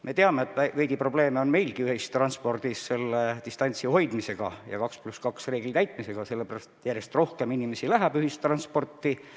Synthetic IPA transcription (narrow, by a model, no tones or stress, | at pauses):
me̞t̪eɑmeːt̪ːˑævæjɡ̥̪ipro̞b̥le̞ːmeo̞nme̞jlɡ̥iyhist̪ːrɑnspo̞rd̪̥isːe̞lːet̪ist̪ɑnʲt̪siho̞jd̪mise̞ɡ̥ɑ̰jɑ̰kɑkspluskɑksre̞ːɡ̥lit̪æjt̪ˑmise̞ɡ̥ɑse̞lːepæɾɑst̪e̥t̪jæɾje̞st̪ro̞hke̞minime̞silæɦæb̥yhist̪ːrɑnspo̞rt̪ːi